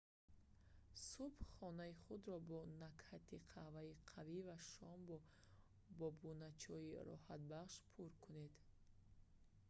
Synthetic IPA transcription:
subχɔnaiχud̪ɾɔbɔnakhat̪ʰiqʰavaiqʰavivaʃɔmbɔ | bɔbunat͡ʃʰɔiɾɔ̰hat̪̚baχʃpʰuɾkʰune̞d̪

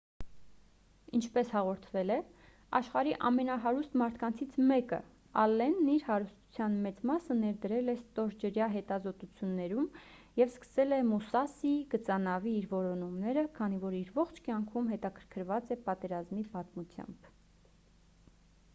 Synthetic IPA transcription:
int͡ʃʰpɛshɑʁɔɾt̪ʰvɛlɛ | ɑʃχɑɾiʔɑmɛnɑɦɑɾust̪mɑɾt̪ʰkɑnt͡sʰit͡sʰmɛkə̰ | ɑlːɛnːiɾhɑɾust̪u̥t͡sʰjɑnmɛt͡smɑsənɛɾd̪əɾɛlɛst̪ɔɾd͡ʒəɾjɑɦɛt̪ɑzɔt̪ut͡sʰjunːɛɾumjɛvskə̥sɛlɛmusɑsiɡət͡sɑnɑviːɾvɔɾɔnumnɛɾəkʰɑnivɔɾiɾvɔχt͡ʃʰkjɑŋkʰumɦɛt̪ɑkʰə̥ɾkʰəɾvɑt͡sɛpɑt̪ɛɾɑzmipɑt̪mut͡sʰjɑ̰mb̥

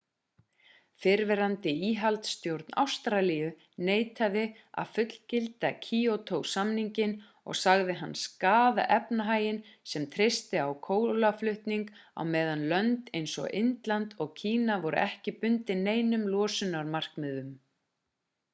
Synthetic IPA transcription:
fɪɾvɛɾant̪ɪiːɦalt̪st̪jowɾt̪na̰wst̪ɾalijʏ | neːjt̪aðɪ | a̰ðfʏt̪l̥cɪlt̪acʰiːot̪ʰowsamniɲcɪn | ɔ̰ɣsaɣðɪɦanːskaːða̰ʔɛpnaɦaːjɪnsɛmt̪ʰɾɪst̪ɪawkʰoːwlaflʏht̪niŋka̰wmɛːðanlœnt̪ejnsɔ̰ʔɪnt̪lant̪ɔɣcʰiːnavɔɾʏ̰ʔɛhcɪpʏnt̪ɪneːjnʏmlɔːsʏnaɾmar̥kmɪðʏm

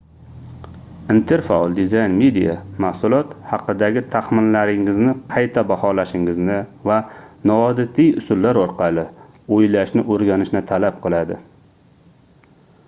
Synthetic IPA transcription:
int̪ʰeɾfaɒlˠd̪ɪzajnmed̪ija̰mahsʊlˠɒt̪hɑqɨd̪aɡʲɪt̪ʰahmɪnlaɾɪŋɪznɪqʰɑjt̪ʰabahɒlaʃɪŋɪznɪvanɒɒd̪ɪt̪ʰijʊsʊlːaɾɒɾqʰɑlɪ | ojlaʃnɪʔoɾɡʲanɪʃnɪt̪ʰalap̚qʰɨlˠad̪ɪ̰

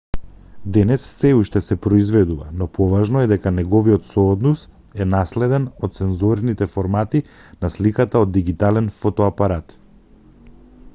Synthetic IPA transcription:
d̪ɛnɛsːɛuʃt̪ɛsɛpɾɔizvɛd̪uva̰nɔpɔvaʒnɔɛd̪ɛkanɛɡɔvijɔt̪sɔːd̪nɔs | ɛnaslɛd̪ɛnɔt̪̚sɛnzuɾnit̪ɛfɔɾmat̪i | naslikat̪aod̪ːiɡit̪alɛnfɔt̪ɔapaɾat̪

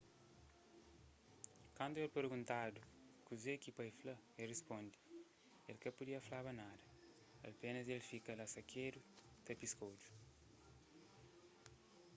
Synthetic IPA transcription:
kãnd̪uɛlpeɾɡũnt̪ad̪ukuzekipɐjflɐerespõnd̪i̥ | elkɐpud̪iɐflaβɐnad̪ɐ | ɐ̰lpenɐzelfikɐlɐsɐkʰeɾu | t̪episkowd͡ʒu̥

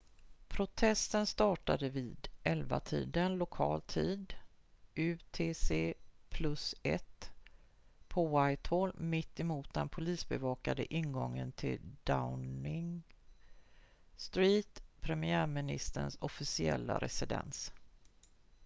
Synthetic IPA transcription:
pʰɾʊt̪ʰɛst̪ənst̪ɑːʈad̪əviːd̪ʔɛlva̰t̪ʰiːd̪ənlʊkʰɑːlt̪ʰiːd̪ | ʉt̪ʰeːseːpʰlɵsɛt̪ | pʰɔajt̪ʰhɔlmɪt̪ːɛmuːt̪̚d̪ɛnpʰʊliːsbɛvɑːkad̪əʔɪnɡɔŋːə̰nt̪ʰɪld̪̥aʊnɪŋ | st̪ɾiːt̪pʰɾɛmɪæːɾmɪnɪ̰st̪əɳsɔfɪsɪɛ̰lːa̰ɾʔɛ̰sɪd̪ɛ̰ns

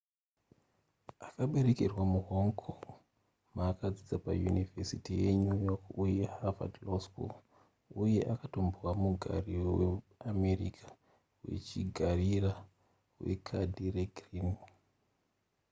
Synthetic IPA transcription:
akaɓe̞ɾe̞kerwamuɦoŋkʰo | maːkad͡zid͡zapa̰jṵnivesitijeɲujokujehava̰dlosko̰ | uje̞ʔakato̞mbwamuɡʱa̰riwe | ame̞rḭkʰḁ | we̞̰t͡ʃiɡʱarira | we̞̰kʰadʱireɡrin

